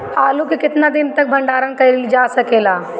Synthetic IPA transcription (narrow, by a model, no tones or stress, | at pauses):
aːlukikɪt̪nad̪ɪnt̪ək̚bʱɐɳɖaːɾənkɐld͡ʒaːsɐkeːla